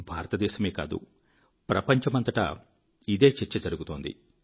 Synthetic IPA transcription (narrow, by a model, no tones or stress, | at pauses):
bʱaːɾɐt̪ɐd̪ɛːʃɐmeːka̰ːd̪ṵ | pɾɐpɐɲt͡ʃɐmɐnt̪ɐʈɐ̰ | id̪e̞ːt͡ʃɛɾt͡ʃːɐd͡ʒɐɾuɡut̪oːnd̪ḭ